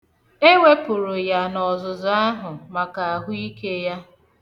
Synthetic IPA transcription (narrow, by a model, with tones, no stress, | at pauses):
e˦wʷe˦pʊ˨ɾʊ˨ja˨nɔ˨zʊ˨za˦ɦʊ˨ma˨ka˨a˨ɦʊ˦i˦ke˦ja˦